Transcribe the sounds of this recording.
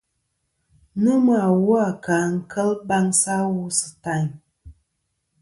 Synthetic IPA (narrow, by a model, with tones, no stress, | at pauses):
nɨ˦ma˨wu˦a˨ka˨ŋ̩˦kʰə˦lba˦ŋsa˦wu˦sɨ̥˨ta˦˨ɲ